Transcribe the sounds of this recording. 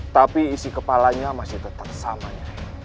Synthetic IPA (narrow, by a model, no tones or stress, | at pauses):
t̪apiːsikəpalaɲamasɪht̪ət̪ap̚samaɲa